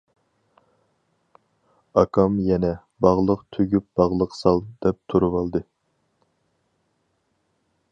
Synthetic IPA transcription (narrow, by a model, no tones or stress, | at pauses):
ɑkʰɑmjɛnɛ | bɑʁlˠəqt̪ʰyɡʲyp̚b̥ɑʁlˠəqsɑlˠd̪̥ɛp̚t̪ʰuɾɨwɑlˠd̪ɨ